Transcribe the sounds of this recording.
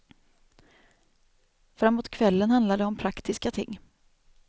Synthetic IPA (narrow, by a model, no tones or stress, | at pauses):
fɾamːoːt̪kʰvɛlːənhand̪lad̪əɔmpʰɾakt̪ʰɪskat̪ʰɪŋː